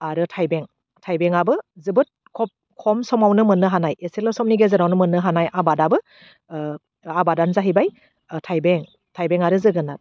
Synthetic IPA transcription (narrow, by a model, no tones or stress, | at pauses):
aɾɯtʰajbeŋ | tʰajbeŋabɯzɯbɯt̚kʰɔp̚ | kʰɔmsɔmawnɯmɯnːɯɦanajeselɔsɔmniɡezɯɾawnɯmɯnːɯɦanajʔabadabɯ | abadanzaɦibaj | tʰajbeŋ | tʰajbeŋaɾɯzɯɡɯnat̚